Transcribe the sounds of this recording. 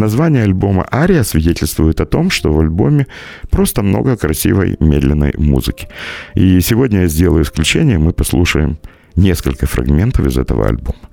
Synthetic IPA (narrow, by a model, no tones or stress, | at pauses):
nɐzvanʲɪjəɐlʲbo̞mə̰ʔaɾʲɪəsvʲɪdʲetʲɪlʲst̪vʊjɪt̪ɐt̪o̞mʂt̪o̞vɐlʲbo̞mʲɪ | pɾo̞st̪əmno̞̰ɡəkɾɐsʲḭvə̰jmʲed̪lʲɪnːə̰jmṵzɨkʲɪ̥isʲɪvo̞dʲnʲəjazʲdʲe̞lˠəjʊɪsklʲʉt͡ɕenʲɪjəmɨpɐslˠuʂəjɪm | nʲe̞skəlʲkəfɾɐ̰ɡmʲe̞nt̪əfɨ̰zɛ̰t̪ə̰və̰ɐ̰lʲbo̞mə